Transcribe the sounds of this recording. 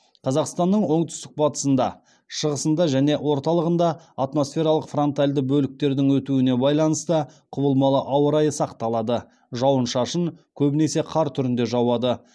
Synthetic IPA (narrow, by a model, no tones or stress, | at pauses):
qʰɑzɑqst̪ɑnːəɴwo̞ɴt̪ʰʏ̥st̪ɪ̥k̚bɑt̪ə̥sənd̪ɑ | ʃəʁəsənd̪ɑʒæne̞ʔwo̞ɾt̪ɑlˠəʁənd̪ɑ | at̪mo̞sfʲe̞ɾɑlˠəqfro̞nt̪ajlʲd̪əbɵlɪk̚t̪e̞ɾd̪ɪŋwɵt̪uɪne̞bɑjlˠɑnəst̪əqʰʊbəlˠmɑlˠəʔɑwəɾɑjəsɑqt̪ɑlˠɑd̪ə | ʒɑwənʃɑʃəɴkʲʰɵbɪne̞se̞qʰɑɾt̪ʰʏɾɪnd̪e̞ʒɑwɑd̪ə